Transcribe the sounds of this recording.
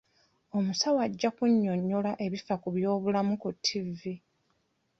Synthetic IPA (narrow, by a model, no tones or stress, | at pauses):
o̞musawaɟːakuɲːo̞ɲːolaʔe̞βifakuβjo̞ːβulamukutʰːivːi